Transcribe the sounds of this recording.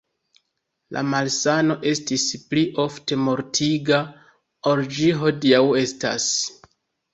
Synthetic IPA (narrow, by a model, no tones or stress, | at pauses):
lʔa̰malsano̞ʔe̞stispliʔo̞fte̞mo̞ɾtʰiɡa | oɾd͡ʒiɦo̞diawe̞sta̰s